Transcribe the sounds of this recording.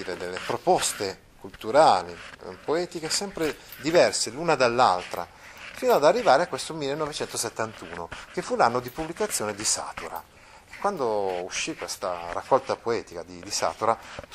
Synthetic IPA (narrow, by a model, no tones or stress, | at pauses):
ɾed̪elːepɾopɔst̪e | kult̪uɾaːlipoɛːt̪ik̟esɛmpɾed̪ivɛrselunad̪alːa̰lt̪ɾa̰ | finoad̪arːivaːɾeakːwest̪omilːenːɔvet͡ʃɛnt̪oset̪ːant̪uːnok̟efːulanːod̪ipublikat̪sːjoːned̪isa̰ːt̪uɾa̰ | ekːwand̪ouʃːikːwest̪a̰ra̰kːɔlt̪apoɛːt̪ikad̪id̪isa̰ːt̪uɾa